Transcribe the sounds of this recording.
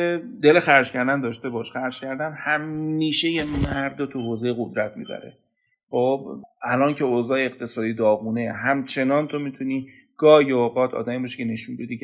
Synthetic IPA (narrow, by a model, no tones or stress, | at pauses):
ed̪elexæɾd͡ʒcʰæɾd̪ænd̪ɒːʃt̪e̞bɒːʃxæɾd͡ʒ̥cʰæɾd̪ænhæmːiːʃejemæɾd̪ot̪ʰuɦoːze̞jeɣod̪ɾæt̪̚ʰmḭːbæ̰ɾḛ | χobælɒːncʰe̞oːzɒːjeːqt̪ʰe̞sɒːd̪iːd̪ɒːɣune̞ɦæmt͡ʃʰe̞nɒːnt̪ʰomiːt̪ʰuniː | ɡ̥ɒːjooːʁɒːt̪ʰɒ̰ːd̪æmiːbɒʃe̥cʰene̞ʃunbe̞d̪iː